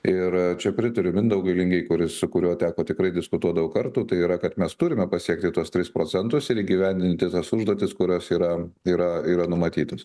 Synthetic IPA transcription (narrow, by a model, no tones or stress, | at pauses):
ɪɾt͡ʃʲɛpʲɾʲɪt̪ɐɾʲʊmʲɪnd̪ɐʊɡʲɐɪlʲɪŋʲɡʲɛɪkʊɾʲɪssʊkʊɾʲoːt̪ʲæːkoːt̪ʲɪkɾɐɪd̪ʲɪskʊt̪uɔd̪ɐʋɐʊkɐɾt̪uːt̪ɐɪiːɾɐkɐt̪mʲɛst̪ʊɾʲɪmʲɛpɐsʲiɛk̚t̪ʲɪt̪uɔst̪ʲɾʲɪspɾoːt͡s̪ʲɛnt̪ʊsɪɾiːɡʲiʋʲænʲd̪ʲɪnʲt̪ʲɪt̪ɐsʊʒd̪oɔt̪ʲɪskʊɾʲoːsiːɾɐiːɾɐiːɾɐnʊmɐt̪ʲiːt̪ɐs